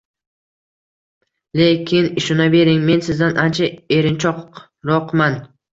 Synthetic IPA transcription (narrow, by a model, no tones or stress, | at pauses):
le̞kʲʰɪnɪʃʊnabe̞ɾɪŋme̞nsɪzd̪anʔant͡ʃʰae̞ɾɪnt͡ʃʰɒq | ɾɒqman